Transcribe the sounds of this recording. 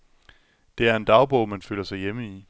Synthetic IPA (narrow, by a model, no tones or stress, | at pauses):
d̥e̝æɐe̝nd̥ɑ̈ʊb̥ɔʊ̰mænføl̰ɐsɑ̈ɪjeməi